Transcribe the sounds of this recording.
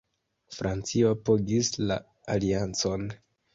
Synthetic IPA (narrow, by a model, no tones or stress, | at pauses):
fɾʔant͡siopoɡislaː | liant͡so̞n